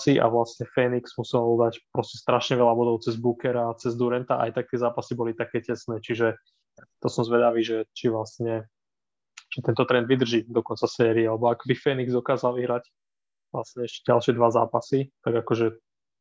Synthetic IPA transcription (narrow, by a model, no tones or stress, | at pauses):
siʔa̰ʋlasɲɛfɛniksmusilud̪acpɾɔscɛst̪ɾaʃɲɛʋɛlabɔd̪ɔʊt͡sɛzbukɛɾaːt͡sɛzd̪uɾɛnt̪aʔa̰jt̪ak̚t̪ɪɛzaːpasibɔlit̪akɛːcɛsnɛːt͡ʃiʒɛ | t̪ɔsɔmzʋɛd̪aʋiːʒɛt͡ʃiʋlast̪ɲɛ | t͡ʃit̪ɛnt̪ɔt̪ɾɛnd̪ʋid̪r̩ʒiːd̪ɔkɔnt͡sasɛːɾiɛalɛbɔakbifɛniɡzd̪ɔkaːzalʋiɦɾac | ʋlasɲɛɛʃcɛɟalʃɪɛd̪ʋaza̰ːpasit̪aɡakɔʒɛ